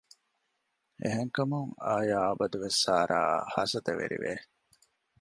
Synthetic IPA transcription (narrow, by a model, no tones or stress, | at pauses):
ʔeɦeŋkɐmuŋa̰ːjaːɐbɐd̪uʋesːaːɾa̰ːhɐsɐt̪ɐʋḛɾḭʋḛ